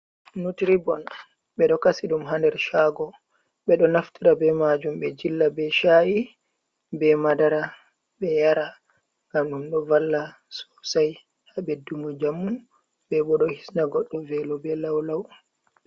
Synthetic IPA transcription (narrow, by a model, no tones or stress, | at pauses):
nutiɾibɔn | ɓɛɗɔkasiɗumɦandɛɾʃaːɡɔ | ɓɛɗɔnaftiɾabɛmad͡ʒumɓɛd͡ʒilːabɛʃaːji | bɛmadaɾa | ɓɛjaɾa | ŋɡamɗumɗɔvalːa | sɔ̥saj | haɓɛdumud͡ʒamːu | bɛɓɔɗɔhisnaɡɔɗːɔvɛlɔbɛlawlaw